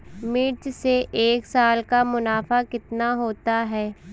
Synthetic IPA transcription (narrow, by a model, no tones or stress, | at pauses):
miːt͡ʃseʔeːksaːlkamʊnaːfakɪt̪naɦoːt̪aɦɛː